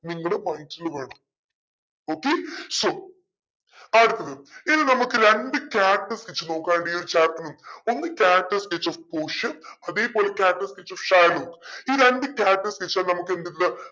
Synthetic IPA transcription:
niŋːɐɽemɐjzilʋe̞ːɳɐm | oːkːesoː | aːɽɨt̪ːɐðɨinːɨnɐmukːɨɾeɳɖɨkʲaːʈːɨskit͡ɕːɨno̞ːkːaːnuɳɖiːoɾut͡ɕaːrʈːɐnːumo̞nːɨkʲaːʈːɐsket͡ɕːofpoːʂɐɐðe̞ːpo̞ːle̞kʲaːʈːɐsket͡ɕːofʂaːloːkiːɾeɳɖɨkʲaːʈːɐsket͡ɕːaːlnɐmukːend̪it̪ːilɐ

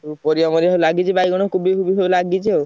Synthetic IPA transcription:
upɔɾiɔmɔɾiɦelaɡit͡ʃʰibajɡɔɽ̃ɔkubikʰubiɦewlaɡit͡ʃʰi

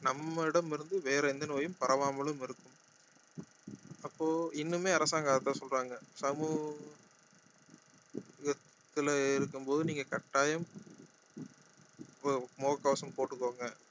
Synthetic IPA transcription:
nɐmːɐɪɽɐmɪɾɯnd̪ɯʋeːɾɐɛnd̪ɐnoːjɯmpɐɾɐʋaːmɐɭɯmɪɾɯkːɯm | ɐpːoːɪnːɯmeːɐɾɐsaːŋɡaːðɐt̪ːaːsɔlraːŋɡɐsɐmuː | ɣɐt̪ːɪlɪɾɯkːɯmpoːðɯniːŋɡɐkɐʈːaːjɐm | moːɣɐkːoːsɐmpoːʈːɯkːoːŋɡɐ

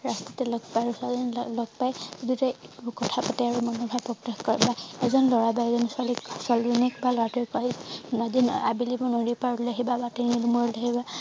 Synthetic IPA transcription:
ɹastitɛlɔɡ̚paɹusanlɔɡ̚pajdutɛkɔtʰapatɛaɹumɔnɔbʱaɹpɹɔptaxkɔɹɛbaɛzɔnlɔɹabaɛzɔnswaliksɔlinikbalɔatɔjkɔɹinadina̰bilibɔnodipaɹɔllaɦibabatenilumɔɹɔlaɦiba

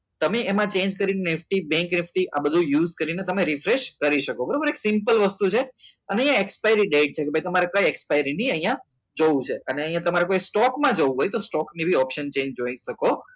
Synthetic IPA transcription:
t̪əmeemãt͡ʃend͡ʒkəɾinenɪfʈibɛ̃ŋknɪfʈiʔa̰bəd̪ʱujuzkəɾinet̪əmẽɾifɾeʃkəɾiʃəkobəɾabəɾeksɪmpəlʋəst̪ut͡ʃʰeəneəɦĩjãekspajəɾiɖeʈ̚t͡ʃʰekebʱajt̪əmaɾekajekspajɾiniəɦijã | d͡ʒoũt͡ʃʰeəneəɦĩjãt̪əmaɾekojsʈɔkmãd͡ʒoʋũɦojt̪osʈɔknibʱiɔpʃənt͡ʃẽɲd͡ʒd͡ʒoiʃəko

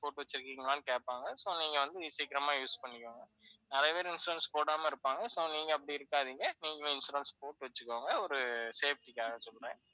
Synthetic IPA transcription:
poːʈːɯʋɐt͡ʃːɪɾɯkːiːŋɡɐlãːnkeːʈpːaːŋɡɐsoːniːŋɡɐʋɐnd̪ɯiːsikːɪɾɐmaːjuːspɐɳːɪkːoːŋɡɐnɐɾɐjɐpeːɾɪnsɾɐnspoːɽaːmɐɪɾɯpːaːŋɡɐsoːniːŋɡɐɐp̬ːɐɽiɪɾɯkːaːðiːŋɡɐniːŋɡɐ̃ɪnsʊɾɐnspoːʈːɯʋɐt͡ʃːɯkːoːŋɡɐɔɾɯseːfʈikːaːɣɐnsɔlɾẽː

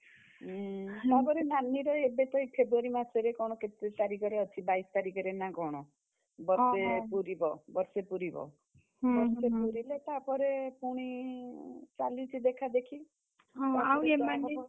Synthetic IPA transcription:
t̪apɔɾenanːiɾɔebet̪ɔipʰebɾuaɾimasʰɔɾekɔɽ̃ɔket̪et̪aɾikɔɾeɔt͡ʃʰibajst̪aɾikɔɾenaɡɔɽ̃ɔ | bɔɾsepuɾibɔbʌɾsepuɾibɔ̰ | bɔɾsepuɾilet̪apɔɾepuɽ̃i | t͡ʃalit͡ʃʰid̪ekʰad̪ekʰi | ɦɔ̃aaweaki

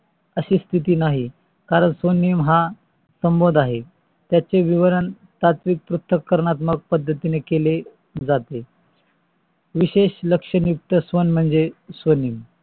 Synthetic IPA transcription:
əɕiːst̪ʰit̪̬iːnaɦi | kaɾəɳsʋonimɦa | səmbod̪ʱaɦe | t̪jat͡ɕeʋiʋəɾən | t̪at̪ʋik̚pɾut̪ʰːəkːəɾɳat̪məɡ̚pəd̪ʱːət̪inekele | d͡zat̪e | ʋiɕeɕləkʂəɳjuk̚t̪əsʋənm̤əɳd͡zesʋəniːm

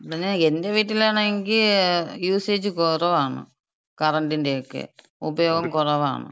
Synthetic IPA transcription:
ɐɐnenkend̪eːʋiːʈ̬ːileːnɐŋkijuːseːd͡ʒkɔːɾɐʋaːnṵ | kɐɾɐɳʈinɖeːkːɯ̰ | upɐjɔːɡɐmkɔɾɐʋa̰ːnṵ

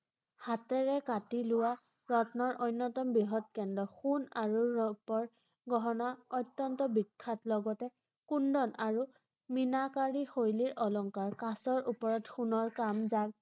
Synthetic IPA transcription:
hatɛɹɛkatilʊwa | ɹɔtnɔɹʔojnːɔtɔmbiɦɔt̚kɛndɔxunaɹuɹɔpɔɹ | ɡɔɦɔnaɔjtːɔntɔbikʰːatlɔɡɔtɛ | kundɔnaɹu | minakaɹixoɹiliɹʔɔlɔŋkaɹkasɔɹupɔɹɔtxunɔɹkamzaɡ

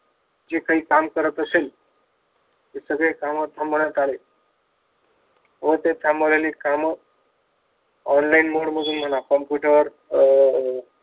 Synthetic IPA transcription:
d͡ʒekaikamkəɾət̪əsel | t̪esəɡɭekaməd̪ʱəmbəɽat̪ale | ot̪ẽt̪ʰaməɾelikamə | ɔnlainmoɽmud̪ʱunm̤ʱənakɔmpjuʈəɾ

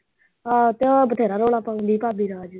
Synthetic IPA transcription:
ɦaːt̪ebət̪ʰeːɾaːɾoːlaːpãːnd̪iːpaːbiːɾaːd͡ʒ

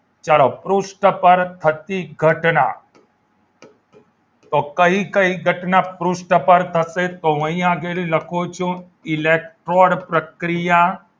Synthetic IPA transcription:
t͡ʃalopɾuʂʈəpəɾt̪ʰət̪iɡʱəʈna̰ | t̪okəikəiɡʱəʈnapɾuʂʈəpəɾt̪ʰəset̪oʋə̃ĩaɡeliləkʰot͡ʃʰũ | ilek̚ʈɾoːɽpɾəkɾija

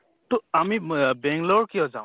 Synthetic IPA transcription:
tɔamibɛŋɡlɔɹkijɔza̰w

